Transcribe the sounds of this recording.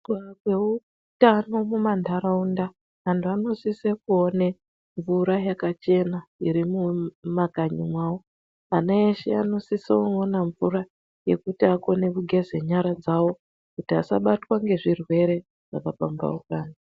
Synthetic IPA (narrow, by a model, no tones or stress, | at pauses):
kakwe̞u | tano̞mumandʱaɾaunda | antʰuano̞sisekuone | ɱvuɾajakat͡ʃe̞naiɾimumakaɲimwaːwo̞ | aneeʃeano̞siseoonaɱvura | je̞̰kutiako̞ne̞kuɡʱe̞zeɲaɾad͡zawo̞ | kutiasa̰ɓatwaŋɡe̞ʐirwe̞ɾe̞ | ʐ̥akapamba̰ukaːɲa